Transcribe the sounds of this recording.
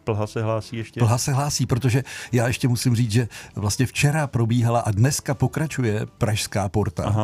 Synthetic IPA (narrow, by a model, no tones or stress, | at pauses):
pl̩ɦasɛɦlaːsiːjɛʃcpl̩ɦasɛɦlaːsiːpɾo̞t̪o̞ʒɛjaːjɛʃcɛmusɪmriːt͡sʒɛvlast̪ɲɛft͡ʃɛɾapɾo̞biːɦalaʔadnɛskapo̞kɾat͡ʃujɛpɾaʃskaːpo̞ɾt̪a̰a